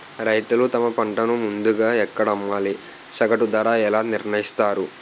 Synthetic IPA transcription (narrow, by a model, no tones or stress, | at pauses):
ɾɐjt̪ulut̪ɐmɐpɐɳʈɐnumund̪uɡaːɛkːɐɽɐmːaːli | sɐɡɐʈud̪ɐɾaːɛlaːniɾɳɐjist̪aːɾu